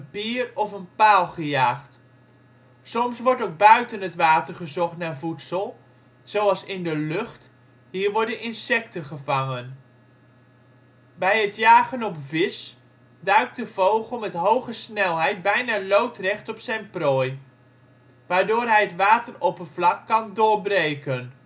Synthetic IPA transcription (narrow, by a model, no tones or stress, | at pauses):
əpiːrɔfənpaːlˠχəjaːχt | sɔmsʋɔɹtowk̚bœɥtənətʋaːtərχəzɔχtnaːɹvutsəlˠ | sowɑlˠsɪndəløχt | ɦiːɹʋɔɹdənʔɪnsɛk̚təχəvaŋən | bɛjɦətjaːχənɔpvɪs | dœɥk̚dəvowχəlˠmɛtɦowχəsnɛlˠɦɛjt̚bɛjnaːlowtrɛχtɔpsɛjnprɔːj | ʋaːɹdʊːɹɦɛjətʋaːtəropənvlɑkːɑndʊːɹbrejkən